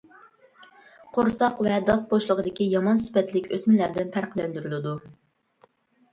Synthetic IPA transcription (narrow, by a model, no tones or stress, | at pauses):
qʰoɾsɑqvɛd̪ɑst̪̚boʃlˠəʁəd̪ɪkʲijɑmɑnsy̥pɛt̪lɪkʲøsmɪlæɾd̪ɪnpʰæɾqlɛnd̪yɾylɪd̪u